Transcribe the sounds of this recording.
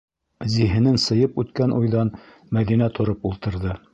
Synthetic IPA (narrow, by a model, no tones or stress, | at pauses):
ziɦɘ̆nɘnsɤ̆jɤpʉt̪kænʔujðɑn | mæðinæt̪ʰŏɾɤpulˠt̪ɤ̆ɾðɤ